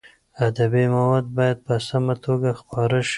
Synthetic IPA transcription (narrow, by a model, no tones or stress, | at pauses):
ad̪abimawɑd̪̚bɑjad̪̚pəsamat̪ʰoɡaxpɑɾaʃ